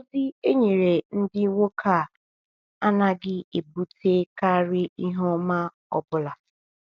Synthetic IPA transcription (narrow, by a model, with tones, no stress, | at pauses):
o˦zɪ˦e˦ɲe˨ɾe˨n̩˦dɪ˦wo˦kʰa˨ | a˦na˦ɡɪ˦e˨bu˦tʰe˦ka˦ɾɪ˦i˦ɦɔ˦ma˦ | ɔ˦bʊ˨la˨